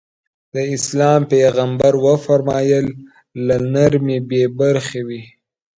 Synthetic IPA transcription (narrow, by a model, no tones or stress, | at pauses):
d̪əɪslɑːmpeɣambaɾwəfaɾmɑjəlː | anaɾmebebaɾxewi